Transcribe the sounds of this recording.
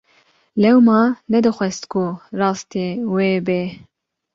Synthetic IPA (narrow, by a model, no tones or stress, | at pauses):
lɛwmɑːnɛd̪ɨxʷɛst̪kʰurɑːst̪eːweːbeː